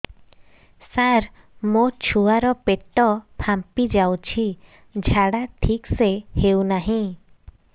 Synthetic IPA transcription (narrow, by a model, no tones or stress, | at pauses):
saɾ | mot͡ʃʰuaɾɔpeʈɔpʰampid͡ʒawt͡ʃʰi | d͡ʒʱaɽaʈʰiksehewnaɦĩ